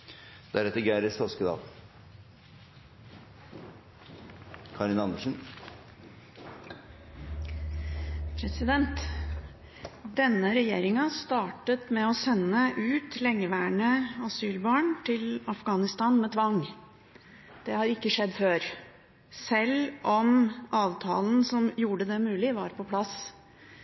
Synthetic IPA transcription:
d̪æɾɛt̪ːəɡæɪɾəsɔskəd̪ɑ̰ːl | kʰɑɾɪnɑnd̪əʂn̩ | pʰɾɛsɪd̪ɛnt̪ | d̪ɛnːəɾɛjeːɾɪŋɑst̪ɑːʈət̪mɛɔsɛnːəʔʉːt̪lɛŋːəʋæːɳəɑsyːlbɑːɳt̪ʰɪlɑfɡɑːnɪst̪ɑːnmɛt̪ʰʋɑŋ | d̪̥ɛhɑɾɪkːəʂɛd̪ːføːɾ | sɛlʔɔmʔɑːʋt̪ʰɑːln̩sɔmjuːɖəd̪ɛmʉːlɪʋɑɾpʰɔpʰlɑs

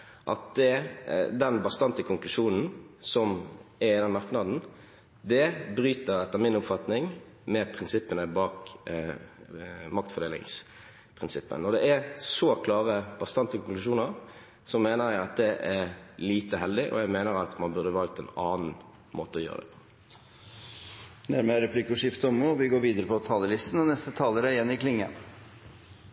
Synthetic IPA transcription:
ʔɑt̪̚d̪ɛd̪ɛnbɑst̪ɑnt̪əkʰʊŋklʉʂuːnn̩sɔmæɾɪd̪ɛnmɑʁknɑd̪n̩ | d̪ɛbɾyːt̪əɾɛt̪ːəmɪnʊpfɑt̪nɪŋ | mɛpʰɾɪnsɪpːənəbɑːk | mɑk̚t̪fɔʁd̪eːlɪ̰ŋs | pʰʁɪnsɪpːə̰nːɔd̪ɛʔæɾsɔkʰlɑːʁəb̥ɑst̪ɑnt̪əkʰɔŋklʉʂuːnəʁ | sɔmːeːnəʁjæɪɑt̪̚d̪ɛʔæʁliːt̪əɦɛld̪ɪʔɔ̰jæɡmeːnəʁɑt̪mɑnbʉʁd̪əʋɑlk̚t̪ɛ̰nɑːnn̩ | moːt̪əɔjø̰ːʁə̰d̪ɛ̰pʰɔ̥ | næɾməɾɛpʰlɪkːʊʂɪft̪əɔmːuːʋɪɡoːɾʋiːd̪əɾəpʰɔt̪ʰɑːləlɪst̪n̩ɔnɛst̪ət̪ʰɑːləɾəjɛnːɪklɪŋə̰m

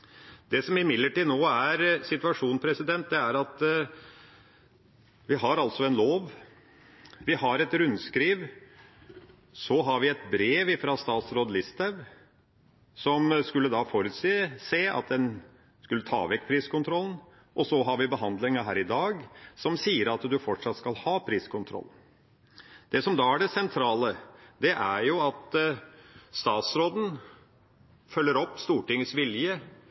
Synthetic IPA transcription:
d̪ɛsɔmɪmɪd̪ləʈiːd̪noːæɾsɪt̪ʉɑʂuːnpʰɾɛsɪd̪ɛnt̪̚d̪ɛæɾɑt̪ | ʋɪɦɑɾɑlt̪sɔɛnloːʋ | ʋɪhɑɾɛt̪ɾʉnskɾiːʋ | sɔɦɑɾʋɪɛt̪bɾeːʋɪfɾɑst̪ɑːt̪sɾoːd̪lɪst̪æʋ | sɔmskʉlːəd̪ɑfoɾʉt̪siːəsæɪɑ̰t̪̚d̪ɛn | skʉlːət̪ʰɑ̰ːʋɛkːpʰɾiːskʰʊnt̪ʰɾɔln̩ | ʔɔsɔɦɑɾʋɪbəɦɑnd̪lɪŋəɦæːɾɪd̪ɑːɡsɔmsiːəɾɑt̪d̪ʉfɔʈʂɑt̪skɑlhɑːpʰɾiːskʰʊnt̪ʰɾɔ̰lːn̩ | d̪̥ɛsɔmd̪ɑːæɖɛsɛnt̪ʰɾɑːləd̪ɛʔæɾjʊɑt̪ | st̪ɑːt̪sɾoːd̪n̩ | fœlːəɾɔpːst̪uːʈɪŋːəsʋɪljə

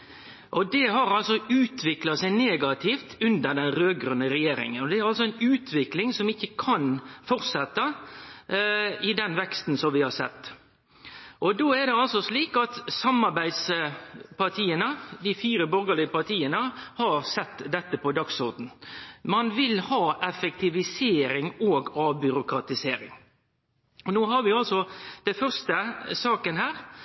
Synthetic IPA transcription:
ʔɔd̪ɛɦɑɾɑlsɔʔʉːt̪ʰʋɪklɑsæɪneːɡɑt̪ʰift̪ʉnd̪əd̪ɛnɾøːɡɾʉnːəɾɛjeːɾɪ̰ŋənɔd̪ɛæɾɑlsɔɛɪnʉːt̪ʰʋɪklɪŋsɔmɪçːəkʰɑnfɔɾt̪sɛt̪ːɑ | ɪd̪ɛnʋɛkst̪n̩sɔmʋɪhɑɾsɛt̪ː | ʔɔd̪oːɛɾd̪ɛɑlsɔsliːkɑt̪sɑmɑɾbæɪd̪s | pɑt̪ʰiːənəd̪ɪfiːɾəbɔɾɡəlɪəpɑɾt̪ʰiːənəhɑɾsɛt̪ːd̪ɛt̪ːəpʰɔd̪ɑksɔɾd̪n̩mɑnʋɪlhɑːʔɛfɛk̚t̪ɪʋɪseːɾɪŋoːɡɑʋbʏɾʊkɾɑt̪ɪseːɾɪ̰ŋ | ɔnoːɦɑɾʋɪɑlsɔd̪̥ɛnfœɾst̪əsɑːkənhæːɾ

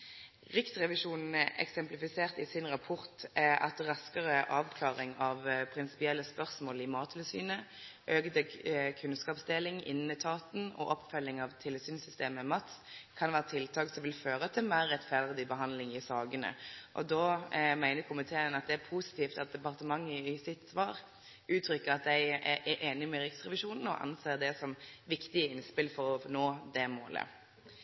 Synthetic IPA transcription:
ʁɪkt̪ʁɛʋɪʂuːnn̩ɛ̰ksɛmplɪfɪseːʁt̪ɪsɪnʁɑpʰɔʁt̪ɑ̰t̪ʁɑskəʁəʔɑːʋkʰlɑːʁɪŋɑʋpʰɾɪnsɪ̥pɪɛlːəspœʁsmoːlɪmɑːt̪ʰlsy̰ːnəʔøːkd̪əkʰʉnskɑːpsd̪eːlɪŋɪ̰nn̩ət̪ʰɑːt̪n̩ɔ̰ʔɔpfœlːɪŋɑʋt̪ʰɪləsyːnsʏst̪eːməmɑt̪skʰɑnʋæːʁət̪ʰɪlt̪ʰɑːksɔmʋɪlføːɾət̪ʰɪlmæɾɛt̪fæʁd̪ɪbəɦɑnd̪lɪŋɪsɑːɡənə̰ʔɔ̰d̪oːmæɪnəɾkʰʊmɪt̪ʰeːənɑt̪̚d̪ɛæpʰusɪ̥t̪ʰiːft̪ɑt̪̚d̪ɛpɑʁt̪əmɑŋːəɪsɪt̪sʋɑːʁ | ʔʉːt̪ʰɾʏkːəɾɑt̪̚d̪ɛɪʔɛʔeːnɪmɛɾɪksʁɛʋɪʃuːnn̩ɔ̰ʔɑ̰nseːʁd̪ɛsɔmʋɪkt̪ɪəɪnspɪlfɔɾɔfnoːd̪ɛmoːlə̰

